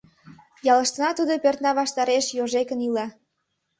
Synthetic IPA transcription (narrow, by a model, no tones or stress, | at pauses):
jɑlə̆ʃt̪ənɑt̪ud̪opørt̪nɑβɑʃt̪ɑɾeʃjoʒekənilɑ